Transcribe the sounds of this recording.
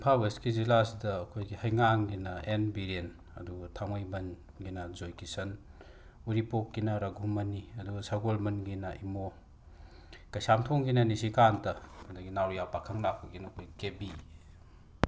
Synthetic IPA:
pʰabeskizilasidɐːkʰojɡihɐjŋaŋɡinɐenbiɾen | ɐ̰duɡɐtʰaŋɐjbɐn | ɡinɐzojkisɐn | uɾipokːinɐɾɐɡʱumːɐniɐduɡɐsaɡolbɐnɡinɐʔimo | kɐjsamtʰoŋɡinɐnisikantɐndɐɡinawɾijapakʰɐŋlak̚pɐɡinɐːkʰojɡikebi

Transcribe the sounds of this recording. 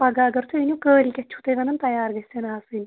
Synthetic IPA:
pɐɡaːɡɐɾt̪ʰuinʲukəːlʲkʲɐt͡ʃːʰu̥t̪ɐjʋɐnɨnt̪ɐjaːɾɡɐsʲɐnaːsɨnʲ

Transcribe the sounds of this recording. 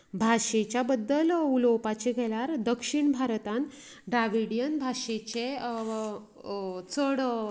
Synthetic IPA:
bʱaʂet͡ɕjabəd̪ːəlulowpat͡ɕeɡʱɛljaɾd̪əkʂiɳbʱaɾt̪ãn | ɖɾaʋiɽijənbʱaʂet͡ɕe | t͡səɽ

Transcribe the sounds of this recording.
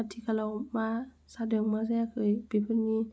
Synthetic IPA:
at̪ʰiːkʰalawmaː | saːdɯŋmas̬akʰɯːjpipʰɯnɲiː

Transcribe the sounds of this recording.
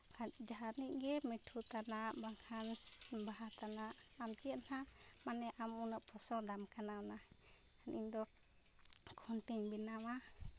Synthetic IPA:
kad͡ʒaɦaniʔɡɛmiʈʰut̪anaʔbaŋkʰanbaɦat̪anaʔamt͡ʃiəʔ̪na | manɛʔamunəʔpʰɔsɔd̪amkananaaniɲd̪ɔ | kʰɔntiɲbinawa

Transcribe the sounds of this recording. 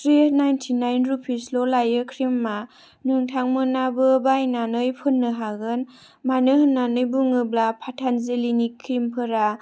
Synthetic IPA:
tɾinajntʰinajnɾupʰislolajɯkʰɾimːa | nɯŋtʰaŋmɯnabɯbajnanɯjpʰɯnːɯɦaɡɯn | manɯɦɯnːanɯjbuŋɯblapʰatʰanzelinikʰːɾimpʰɯɾa

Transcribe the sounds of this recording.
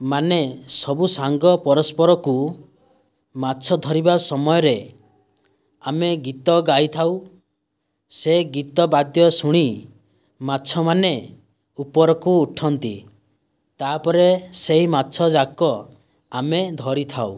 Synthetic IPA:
manesɔbusaŋɡɔpɔɾɔspɔɾɔku | matːt͡ʃʰɔd̪ʱɔɾibasɔmɔjɔɾe | ameɡit̪ɔɡajt̪ʰaw | seɡit̪ɔbad̪jɔsuɽ̃i | matːt͡ʃʰɔmane | upɔɾɔkuːʈʰɔnt̪ḭ | t̪aːpɔɾeseɦimatːt͡ʃʰɔd͡ʒakɔ | amed̪ʱɔɾit̪ʰaw

